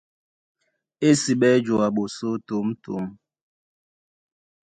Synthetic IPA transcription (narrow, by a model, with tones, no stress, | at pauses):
e˦si˨ɓɛ˦d͡ʒwa˨ɓo˨so˦to˨˦mto̰˨˦m